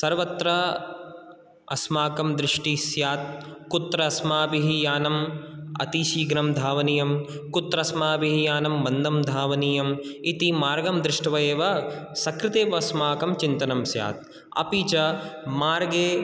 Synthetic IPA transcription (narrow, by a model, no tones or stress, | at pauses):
sɐɾʋɐt̪ɾɐ | ɐsmaːkɐmd̪ɾɪʂʈisjaːt̪̚kut̪ːɾɐɐsmaːbiɦijaːnɐmɐ̰t̪iːʃiːɡɾɐmd̪ʱaːʋɐnijɐmkut̪ɾɐsmaːbiɦijaːnɐmbɐnd̪ɐmd̪ʱaːʋɐniːjɐmit̪imaːɾɡɐmd̪ɾɪʂʈɐʋɐjeːʋɐsɐkɾɪt̪eːʋɐsmaːkɐmt͡ʃint̪ɐnɐmsja̰ːt̪̚ | ɐ̰piːt͡ʃɐmaːɾɡeː